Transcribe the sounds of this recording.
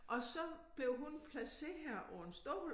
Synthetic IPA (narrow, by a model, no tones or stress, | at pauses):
ʔɒ̽sɒ̽b̥le̝ʊɦunpʰlæseæɐ̰ʔɒ̰nsd̥ɔ̰ːʊl